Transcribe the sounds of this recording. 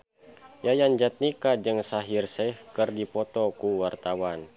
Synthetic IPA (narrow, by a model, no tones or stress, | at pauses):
jajaɲd͡ʒat̪̚nikad͡ʒɨŋsaɦirsɛhkɨrdipɔt̪ɔkuwart̪awan